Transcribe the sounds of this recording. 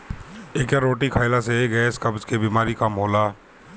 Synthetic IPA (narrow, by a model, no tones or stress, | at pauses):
eːkjaɾːoːʈikʰaːɪlaseɡɛeːskɐbd͡ʒkebiːmaːɾikəmɦoːlaː